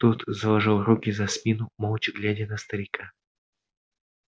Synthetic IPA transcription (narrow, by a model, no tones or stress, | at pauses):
t̪ut̪zəlˠɐʐɨlˠɾukʲɪzɐsmʲinʊmolˠt͡ɕɪɡlʲædʲɪnəst̪əɾʲɪka